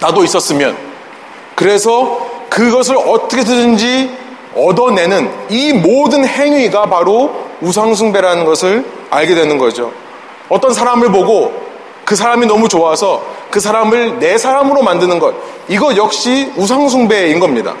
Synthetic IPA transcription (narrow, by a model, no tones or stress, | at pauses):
nadois͈ʌs͈ɯmjʌ̰n | kɯɾe̞sʰʌkɯɡʌs̬ʰɯɾʌt͈ʌkʰedɯnɯnd͡ʑi | ʌdʌne̞nɯnimodɯnhe̞ŋɥiɡapaɾous̬ʰaŋsʰuŋbe̞ɾanɯnɡʌsʰɯɾ | aɭɡe̞dwe̞nɯnɡʌd͡ʑo | ʌt͈ʌnsʰaɾamɯɭpoɡo | kɯs̬ʰaɾaminʌmut͡ɕoasʰʌkɯsʰaɾamɯɭne̞sʰaɾamɯɾomandɯnɯnɡʌt̚ | iɡʌjʌk̚ɕ͈ius̬ʰaŋsʰuŋbe̞inɡʌmɲida̰